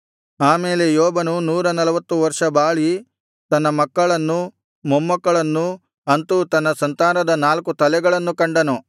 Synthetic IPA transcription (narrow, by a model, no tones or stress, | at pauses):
aːmeːlejɔːbɐnunuːɾɐnɐlɐʋɐt̪ːuʋɐɾʂɐbaːɭi | t̪ɐnːɐmɐkːɐɭɐnːu | momːɐkːɐɭɐnːu | ɐnt̪ut̪ɐnːɐsɐnt̪aːɾɐd̪ɐnaːlkut̪ɐlɛɡɐɭɐnːukɐɳɖɐnu